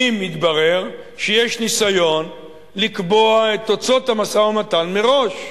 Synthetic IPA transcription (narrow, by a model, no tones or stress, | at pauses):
imit̪baʁe̞ʁ | ʃejeʃnisajo̞n | likbo̞ae̞t̪ot͡so̞t̪hamasaamat̪anmeʁo̞ʃ